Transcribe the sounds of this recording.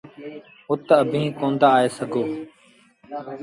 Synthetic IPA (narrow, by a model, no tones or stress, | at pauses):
ʊt̪əbʱĩːkõːnd̪aːeːsəɡʱoː